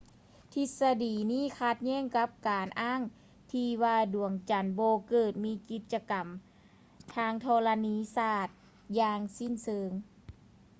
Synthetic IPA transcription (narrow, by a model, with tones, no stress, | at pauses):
t̪ʰi˧˥t̪̚sa˧diː˨˩niː˧˥˨kʰa˧˩t̪̚ɲɛː˧˥˨ŋka˧˦˥p̚kaː˨˩nʔaː˧˥˩ŋ | t̪ʰiː˧waː˧du˨˩əŋt͡ɕa˨˩nbɔː˧kɤː˧˩t̪̚miː˧˥˨ki˧˥t̪̚t͡ɕa˧ka˨˩m | t̪ʰaː˧˩˨ŋt̪ʰɔː˧la˧niː˧˥˨saː˧˩t̪̚ | jaː˧ŋsi˧˥˨nsɤː˧ŋ